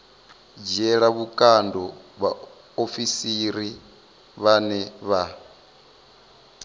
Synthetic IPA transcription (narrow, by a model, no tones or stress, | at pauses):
d͡ʒɛɺaβukʼandɔβa | ofisiɾi | βanɛβa